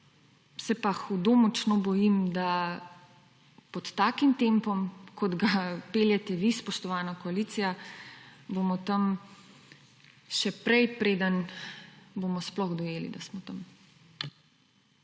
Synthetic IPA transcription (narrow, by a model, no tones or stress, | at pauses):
sɛpaxud̪omut͡ʃnobɔjimd̪a | pɔt̪ːaːkimt̪empɔmkʰɔd̪ɡapeljɛt̪ɛʋispɔʃt̪ɔʋaːnakɔaliːt̪sija | bomɔt̪ɐm | ʃɛpɾɛjpɾeːd̪ən | bomɔsplɔɣd̪ɔjeːlḭd̪asmɔt̪am